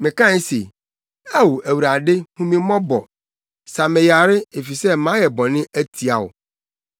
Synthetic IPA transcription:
mɪ̃˨kã˦se˨ | æ˦wu˨æ˨wu˨ɾa˨dɪ˦hũ˦mĩ˦mɔ̃˦bɔ˨ | sã˨mɪ̃˨ja˨ɾɪ˦e˨fi˨sɛ˦mã˨˦jɛ˨bɔ˨nɪ̃˦ʔæ˦tʰi˨a˨wʊ̰˨

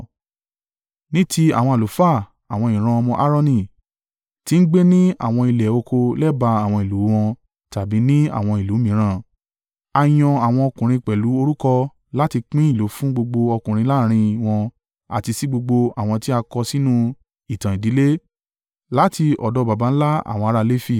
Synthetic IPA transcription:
nĩ˦ti˧a̰˨wɔ̃˧a˨lo˨˦fa˦˨ | a˨w̃ɔ̃˧˨ĩ˨ɾ̃ã˧ɔ˧mɔ̃˧ʔa˦ɾɔ˦˧nĩ˧˨ | ti˨˦n̩˦ɡ͡be˦nĩ˦a̰˨w̃ɔ̃˧i˧lɛ˨o˧kʰo˧lɛ˦ba˧a˨w̃ɔ̃˧˨i˨lu˨˦w̃ɔ̃˧ | ta˨bi˨˦nĩ˦a̰˨w̃ɔ̃˧i˨lu˨˦mĩ˨˦ɾ̃ã˧˦˨ | a˧j̃ɔ̃˧a˨w̃ɔ̃˧ɔ˧kũ˨ɾ̃ĩ˧k͡pɛ˨lu˨˦o˧ɾu˦kɔ˧ | la˦ti˧k͡pĩ˦i˦˨lo˨˦fũ˦ɡ͡bo˧ɡ͡bo˧ɔ˧kũ˨ɾ̃ĩ˧la˦˨ɾ̃ĩ˧w̃ɔ̃˧ | a̰˨ti˧si˦ɡ͡bo˧ɡ͡bo˧a˨w̃ɔ̃˧ti˦a˧kɔ˧si˦nũ˦ | i˨tã˨i˨di˨˦le˦ | la˦ti˧ɔ̰˨dɔ˨˧ba˨ba˨˦n̩˦la˦a̰˨w̃ɔ̃˧a˨˧ɾa˧le˦fi˦˨

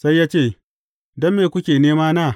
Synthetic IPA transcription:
sa˦jːaː˦t͡ʃeː˦˨ | dɔ˦mːeː˨kʷʊ˦kʲeː˨neː˦maː˦naː˦˨

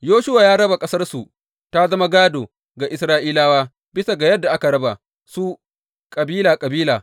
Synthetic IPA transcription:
joː˦ʃʊ˦waː˨jaː˦ɽɐ˦ba˨kʼɐ˦sɐ˦rsu˨ʔ | ta˦zɐ˦ma˦ɡaː˦doː˨ | ɡa˨ʔɪ˨sɾaː˦ʔiː˦laː˦waː˦ | bɪ˦sa˨ɡa˨jɐ˦dːa˨ʔa˦ka˨ɽɐ˦ba̰˨ | su˦ | kʼɐ˨biː˦laː˨kʼɐ˨biː˦laː˨

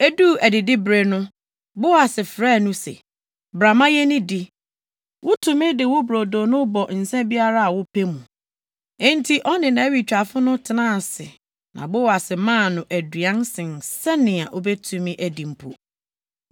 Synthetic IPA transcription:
e˦duː˦˨æ˨dɪ˨dɪ˦bɾe˨nʊ̃˦ | bʊ˦wa˨sɪ˨fɾɛː˦˨nʊ̃˦sḛ˨ | bɾa˨mã˦jɛ˦nɪ̃˦di˨ | wʊ˦tʰũ˨mɪ̃˦dɪ˨wʊ˦bɾo˨do˨nʊ̃˦bɔ˨n̩˨sɛ̃˦bi˦a˦ɾa˦a˨wʊ˦pʰe˦mũ˨ | ɛ̃˦n̩˦tʰi˦ʔɔ˦nɪ̃˨nã˨æ˦wi˨t͡ɕᶣa˨fʊ˦nʊ̃˦tʰɪ˨nã˦˨sɪ˨ | nã̰˨bʊ˦wa˨sɪ˨mã˦˨nʊ̃˨ʔæ˨dɥã˦nsɪ̃˨nsɛ˦nɪ̃˨a˨ʔo˦bɛ˦tʰũ˦mĩ˦ʔæ˨dĩ˨m̩˨pʰṵ˨

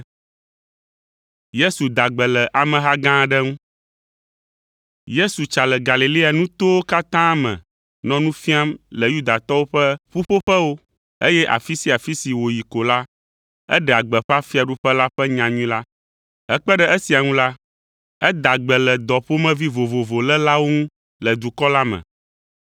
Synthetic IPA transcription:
je˦su˨d̪a˨ɡ͡bɛ˨lɛ˨ʔa˨mɛ̃˨ɦa˦ɡã˦ɖɛ˦ŋũ˦ | je˦su˨t͡ʃa˨lɛ˨ɡa˨li˨li˦a˨nũ˦t̪o˦wo˦ka˦t̪ã˦mɛ̰̃˨ | nɔ̃˦nũ˦fĩ˦a˦mlɛ˨ju˦d̪a˨t̪ɔ˦wo˦ɸɛ˦ɸu˦ɸo˦ɸɛ˦wo˦ | e˦jɛ˦ʔa̰˨fi˦si˦a˨fi˦si˨wo˨ji˨ko˨la˦ | ɛ̰˦ɖɛ˨a˨ɡ͡bɛ˨ɸa˦fi˦a˨ɖu˦ɸɛ˦la˦ɸɛ˦ɲã˨ɲũĩ˦la˦ | ɛ˦k͡pɛ˦ɖɛ˦e˦si˨a˨ŋũ˦la˦ | ɛ˦d̪a˨ɡ͡bɛ˨lɛ˨d̪ɔ˨ɸo˦mɛ̃˦vi˦vo˨vo˨vo˨lɛ˦la˦wo˦ŋũ˦ | lɛ˨d̪u˨kɔ˦la˦mɛ̰̃˨

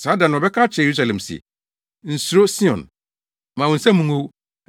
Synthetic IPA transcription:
sa˨˦dã˨nʊ̃˨ɔ˨bɛ˦kʰaː˦t͡ɕʰɛ˨e˨ɾu˦s̬a˨lɛ̃˨msɛ̰˨ | n̩˨su˨ɾo˦si˦ɔ̰̃˨n | mã˨wɔ̃˨n̩˨sã˦mũ˨ŋo˦w

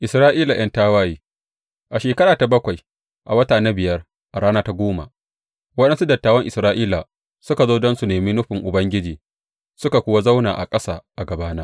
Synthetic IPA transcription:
ʔɪ˨sɾaː˦ʔiː˦la˨j̰ɐ˦ntaː˦waː˦jiː˦ | ʔa˨ʃeː˨kɐ˦ɾaː˨ta˨bɐ˦kʷa˨j | ʔa˨wɐ˦taː˨na˦bɪ˨jɐ˦r | ʔa˨ɽaː˦naː˦ta˦ɡʷoː˦ma̰˨ | wɐ˦ɗɛ˦nsu˦dɐ˨tːaː˦wɐ˦ŋʔɪ˨sɾaː˦ʔiː˦la˨ | sʊ˦ka˨zoː˦dɔ˦nsu˨neː˨mi˦nʊ˦ɸɪ˨ŋʔʊ˨bɐ˦ŋɡʲɪ˦d͡ʒiː˨ | sʊ˦ka˨kʷʊ˦wa˦za˦wna̰ː˨ʔa̰˨kʼɐ˦saː˦˨ʔa˨ɡɐ˨baː˦na˦

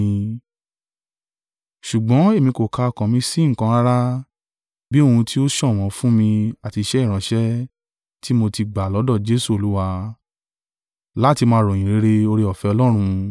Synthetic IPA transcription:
ʃu˨ɡ͡bɔ̃˨˦e˦˨mĩ˧ko˨kʰa˦ɔ˨kã˨mĩ˧si˦ŋ̩˨kã˧a˦ɾa˦ | bi˦o˦˧˨ũ˧tʰi˦o˦ʃɔ̃˦˨w̃ɔ̃˨˦fũ˦mĩ˧a˨ti˧ʃɛ˦i˦˨ɾ̃ã˨˦ʃɛ˦ | ti˦mo˧ti˧ɡ͡ba˨lɔ˨˦dɔ˦˨d͡ʒe˦su˦˨o˨lu˨˦wa˧ | la˦ti˧mãː˧˦ɾɔ̃˨ĩ˨ɾe˨˦ɾe˧o˧ɾi˧ɔ˨fɛ˧ɔ˧lɔ˦ɾ̃ũ˧

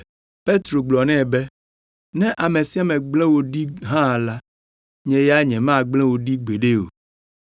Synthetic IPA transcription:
pe˦t̪ɾo˨ɡ͡blɔ˨nɛ̃˦˨bɛ˦ | nɛ̃˦ʔa˨mẽ˨si˦a˦mɛ̃˨ɡ͡blɛ̃˦wo˦ɖi˦ɦã˦˨la˦ | ɲɛ̃˨ja˦ɲɛ̃˨mã˦˨ɡ͡blɛ̃˦wo˨ɖi˦ɡ͡be˨ɖe˦o̰˨

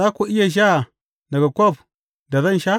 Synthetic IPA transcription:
a˦ko˨ʔi˦ja˨ʒ̬a˦˨ | nda˨ɡa˨kʷo˦˨p | da˨za˦n˨ʃa˦

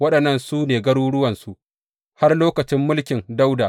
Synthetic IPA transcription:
wɐ˦ɗɐ˨nːɐ˦nsuː˦neː˨ɡɐ˦ɽuː˦ɽʊ˦wɐ˨nsu˨ʔ | ha˦rloː˦kɐ˨t͡ʃɪ˦mːʊ˦lkʲɪ˨nda˦wdaː˨

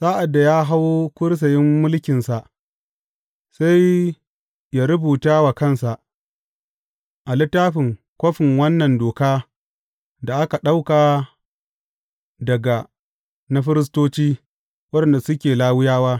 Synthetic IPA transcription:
saː˦ʔa˨dːa˨jaː˦ɦa˦wo˦kʷʊ˦ɽs̬ɐ˨jɪ˦mːʊ˦lkʲɪ˨nsa˨ʔ | sa˦j | ja˦ɾʊ˦buː˨taː˦wa˨kɐ˦nsa˨ʔ | ʔa˨lɪ˦tːaː˦ɸɪ˨ŋ | kʷo˦ɸɪ˨ŋwɐ˦nːɐ˨ndoː˨kaː˦ | da˨ʔa˦ka˨ɗa˦wkaː˨ | dɐ˨ɡa˨ | na˦ɸɪ˦ɾɪ˦s̬toː˦t͡ʃiː˦ | wɐ˦ɗɛ˨nda˨sʊ˦kʲeː˨laː˦wɪ˦jaː˦waː˦

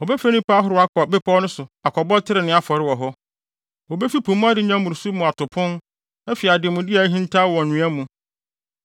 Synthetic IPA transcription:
ɔ˨bɛ˦fe˦nĩ˦pa˦ɦʊ˦ɾʊ˨a˦kɔ˨bɪ˦pʰɔ˦nʊ̃˦sʊ˨a˨kʰɔ˨bɔ˦tʰɪ˦ɾɪ˨nɪ̃˦a˨fɔ˨ɾɪ˦wɔ˨ɦɔ˦ | wɔ˨be˦fi˦pʰũ˨mũ˦a˦dɪ˨ɲã˦mʊ̃˨ɾsu˦mʊ̃˨a˨tʰʊ˨pʰʊ̃˦n | ɛ˦fi˨a˨dɪ˨mʊ̃˨dɪ˦a˨˦ɦĩ˦n˦tʰa˦˨wɔ˨nʊ̃˨æ˦mũ˨

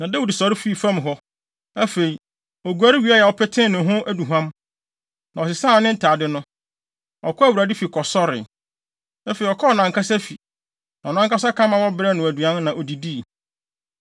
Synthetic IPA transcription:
nã˨dɛ˦wʊ˨di˨sɔ˨ɾɪ˦fi˦˨fã˦mɦɔ˦ | æ˦fe˨i˨ | ɔ˨ɡu˨æ˨˦ɾi˦wi˨˦a˦jɛ˨ɔ˨pʰɛ˦tʰɪ̃˦nɪ̃˨ɦʊ̃˦ʔæ˦du˨ɦã˦m | nã˨ɔ˨s̬ɪ˨sãː˦˨nɪ̃˦n̩˦tʰaː˨dɪ˦nʊ̃˦ | ɔ̰˨kʰɔ˦æ˦wu˨ɾa˨dɪ˦fi˨kʰɔ˨sɔ˦ɾɪ̰˨ | æ˦fe˨i˨ɔ˨kʰɔ˦ɔ˨nã˨ŋkʰa˦sa˦fi˨ | nã˨nã˦ŋka˦sa˦kʰã˦mã˨wɔ˦bɪ˦ɾɛ˦nʊ̃˨æ˨du˨ã˦n˦nã˨ʔɔ˨di˨di˦˨

